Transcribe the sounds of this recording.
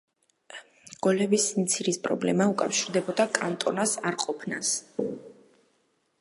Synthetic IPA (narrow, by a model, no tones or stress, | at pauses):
ɡ̥ɔlɛbismt̪sʰiɾispʼɾɔ̰blɛmaukʼafʃiɾd̪ɛbɔd̪akʼant̪ʼɔnasaɾqʼɔpʰna̰s